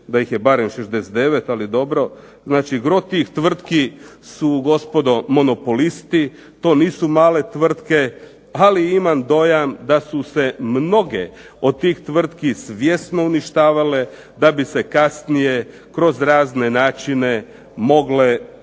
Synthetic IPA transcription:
d̪ajixjebaɾemʃezd̪eset̪d̪eʋet̪alid̪o̞bɾo̞ | znaːt͡ʃiɡɾo̞t̪iːxt̪ʋr̩t̪kisuɡo̞spo̞d̪o̞mo̞nopolist̪i | t̪o̞ːniːsumaːle̞t̪ʋr̩t̪ke̞ | aliimamd̪o̞jamd̪asuse̞mno̞ɡḛ | o̞d̪̚t̪iːxt̪ʋr̩t̪kisʋjesno̞uniʃt̪aːʋale̞ | d̪abisekasnije̞ | kɾo̞zɾaːzne̞naːt͡ʃine̞ | mo̞ɡle̞

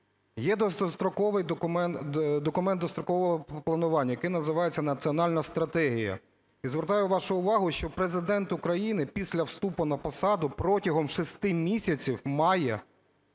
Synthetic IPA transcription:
jɛd̪ɔsst̪ɾɔkɔʋɪjd̪kmɛd̪ɔkʊmɛnd̪ɔst̪ɾɔkɔʋɔɦɔplˠɐnʊʋɑnʲːɐjɐkɪjnɐzɪʋɑjet͡sʲːɐnɐt͡sʲiɔnɑlʲnɐst̪ɾɐt̪ɛɦʲijɐ̰ | izʋeɾt̪ɑjʊʋɑʃʊʊʋɑɦʊʃt͡ʃɔpɾezɪd̪ɛnt̪ʊkɾɐjinɪpʲisʲlʲɐwst̪upʊnɐpɐsɑd̪ʊpɾɔtʲɐɦɔmʃist̪ɪmʲisʲɐt͡sʲiwmɑjɛ

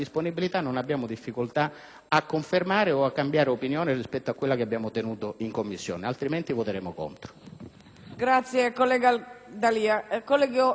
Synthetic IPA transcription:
isponibilit̪anːonabːjaːmʊd̪ifːikʊlt̪a | akːoɱfermaːɾeoakːambjaːɾeopinjoːnɪrispɛt̪ːoakːwelːakeabːjaːmot̪enuːt̪oiŋkomːisːjo̰ːnealt̪ɾiment̪ivot̪eɾɛːmoko̰nt̪ɾo̥ | ɡɾat̪sjekolɛɡad̪aliːakolɛɡo

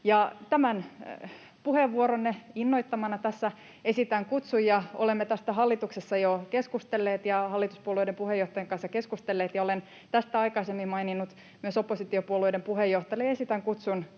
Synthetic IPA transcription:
jɑt̪æmæn | puheʋːuoɾonːeinːoit̪ːɑmɑnɑt̪æsːæ | esit̪æŋkut̪sujjɑo̰lemːet̪æst̪æɦɑlːit̪uksesːɑjokeskust̪elːeːt̪jɑhɑlːit̪uspuolueidempuhejoht̪ɑjɑŋkɑnsːɑkeskust̪elːeːt̪jɑolen | t̪æst̪æɑikɑisemːimmɑininːut̪ | myøsopːˑosit̪iopuoluoidempuhejoht̪ɑjɑjesit̪æŋkut̪sun

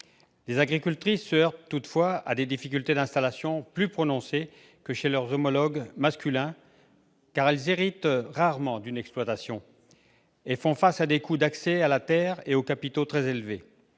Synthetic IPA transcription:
lezaɡʁikʲylt̪χisːəœʁt̪t̪ːut̪fwaa̰d̪ed̪ifik̬ʲylt̪ed̪ɛ̃st̪alasjɔ̃plypχɔnɔ̃se | kəʃelœʁzɔmɔlɔɡmaskʲylɛ̃ | kaʁɛlzeʁit̪ʁaʁmɑ̃d̪ynɛksplwat̪asjɔ̃ | efɔ̃fasad̪ekud̪aksɛalat̪ɛʁeokapit̪ot̪χɛzelve

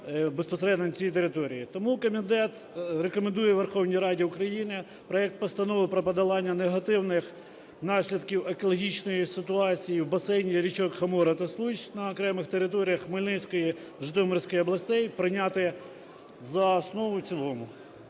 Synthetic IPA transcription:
bespɔseɾɛd̪nɐnʲt͡sʲijit̪eɾɪt̪ɔɾʲijit̪ɔmukɔmʲid̪ɛt̪ | rekɔmend̪ujɛʋerxɔwnʲijɾɑdʲiʊkɾɐjinɪ | pɾɔjɛk̚t̪̚pɔst̪ɐnɔʋʊpɾɐpɐd̪ɐlˠɑnʲːɐneɦɐt̪ɪwnɪx | nɑʃʲlʲɐd̪kʲiwekɔlˠɔɦʲit͡ʃnɔjisɪt̪ʊɑt͡sʲijiwbɐsɛnʲiɾʲit͡ʃɔkhɐmɔɾɐt̪ɐslˠuʒʲnɐːkɾɛmɪxt̪eɾɪt̪ɔɾʲijɐxmɪlʲnɪt͡sʲkɔji | ʒɪt̪ɔmɔrsʲkɔjɔblˠɐsʲt̪ɛjpɾɪnʲɑt̪ɪ | zɐːsnɔʋʊwt͡sʲilˠɔmʊ

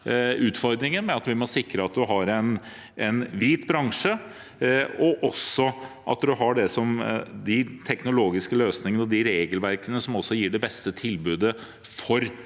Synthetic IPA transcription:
ʉːt̪fɔɾd̪ɾɪŋənmɛɑt̪ʋɪmɔsɪkɾəɑt̪̚d̪ʉɦɑɾɛn | ɛnʋiːt̪bɾɑŋʂə | ɔʔɔsːɔ | ʔɑ̰t̪d̪ʉɦɑɖɛsɔmd̪ɪt̪ʰɛknʊloːɡɪskəløːsnɪŋənɔd̪ɪɾeːɡəlʋæɾkənəsɔmɔsːɔjiːɖɛbɛst̪ət̪ʰɪlbʉːd̪ə | fɔɾ

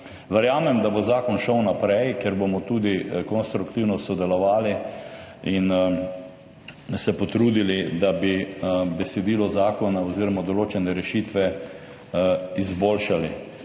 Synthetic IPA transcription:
ʋɛɾjaːmɛmd̪abozaːkɔnʃəwnapɾɛjkjɛɾbomɔt̪uːd̪ikɔnst̪ɾukt̪iwnɔsɔd̪ɛlɔʋaːli | in | sɛpɔt̪ɾuːd̪ilid̪abibɛsɛd̪iːlɔzaːkɔnaɔziːɾɔmad̪ɔloːt͡ʃɛnɛɾɛʃit̪ʋɛ | izboːlʃali

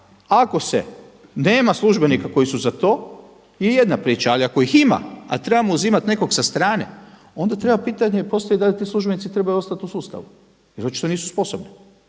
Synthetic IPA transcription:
ako̞sḛ | neːmaslˠuʒbe̞nikako̞jisuzat̪o̞ː | jeje̞d̪napɾiːt͡ʃaaliako̞ixima̰a̰t̪ɾe̞bamouziːmat̪ne̞ko̞ɡsast̪ɾaːne̞̰ | o̞nd̪at̪ɾe̞bapiːt̪aɲepo̞st̪ajid̪alit̪iːslˠuʒbe̞nit̪it̪ɾe̞bajuo̞st̪at̪usuːst̪a̰ʋu | jɾot͡ʃi̥t̪o̞niːsu̥spo̞sobni

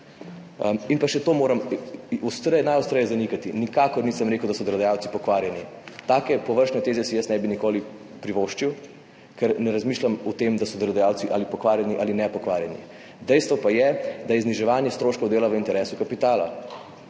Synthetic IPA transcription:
minpaʃɛt̪oːmoːɾɐmust̪ɾnajɔst̪ɾəjɛzanikat̪inikaːkɔɾniːsəmɾeːkəwd̪asɔd̪əlɔd̪ajaːwtsipɔkʋaːɾjani | t̪aːkɛpɔʋəɾʃnɛt̪eːzɛsijəsnɛbinikoːli | pɾiʋoʃt͡ʃiw | kɛɾnɛɾazmiːʃlamɔt̪emd̪asɔd̪əld̪ajaːwt̪siʔalipɔkʋaːɾjɛniʔalinɛpɔkʋaɾjɛnḭ | d̪ɛjst̪ʋɔpajɛd̪ajɛzniʒɛʋaːnjɛst̪ɾoːʃkowd̪eːlaʋəint̪ɛɾɛːsukapit̪aːla̰

